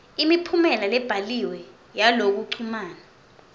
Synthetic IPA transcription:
imipʰumɛlalɛb̥ʱaliwɛ | jalok̬uǀʰumaːna

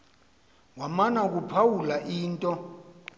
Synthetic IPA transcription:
wamanak̬upʰawulaʔiːntʼɔ

